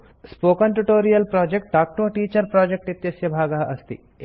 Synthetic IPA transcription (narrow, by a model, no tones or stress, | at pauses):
spoːkɐɳʈuʈoːɾijɐlpɾɔːd͡ʒek̚ʈ̚ɖaːk̚ʈoːʈiːt͡ʃɐɾpɾaːd͡ʒek̚ʈit̪jɐsjɐbʱaːɡɐɦɐʔɐst̪ḭ